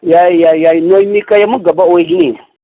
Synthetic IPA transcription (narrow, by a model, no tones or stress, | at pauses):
jajajajnojmikajamuɡabaaɡini